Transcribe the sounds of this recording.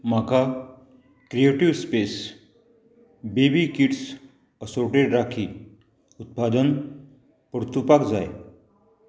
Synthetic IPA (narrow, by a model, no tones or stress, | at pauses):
m̤aka | kɾieʈiʋspes | bebikiʈs | əsoɾʈeɖɾakʰiː | ut̪̚pad̪ən | pəɾt̪upakd͡zaj